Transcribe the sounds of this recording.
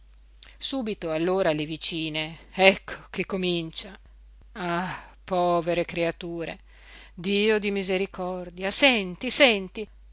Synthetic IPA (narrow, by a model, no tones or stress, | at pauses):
suːbit̪oalːoːɾalevit͡ʃiːneɛkʰːo̥k̟ekːomint͡ʃa | apɔːveɾekɾeat̪uːɾḛ | d̪iːod̪imizeɾikʰɔrd̪jasɛnt̪isɛnt̪i